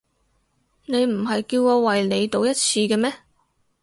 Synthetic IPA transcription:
ne˨˧jm̩˨˩ɦɐ˨jkiː˧wkɔː˧wɐ˨jne˨˧jt̪o˨˧wjɐ˥t̚t͡sʰiː˧kɛ˧mɛː˥

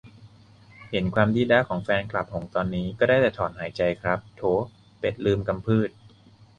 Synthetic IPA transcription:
he˩˦nkʰwaː˧mdiː˧lɛ˦˥kʰɔː˩˦ŋfɛː˧nkla˨˩p̚ho˩˦ŋt̪ɔː˧nːiː˦˥kɔː˥˩daː˥˩jt͡ɕɛ˨˩t̪ʰɔː˩˦nɦaː˩˦jt͡ɕa˧jkʰɾa˦˥p̚t̪ʰoː˦˥ | pe˨˩t̪̚lɯː˧mka˧mpʰɯː˥˩t̪̚

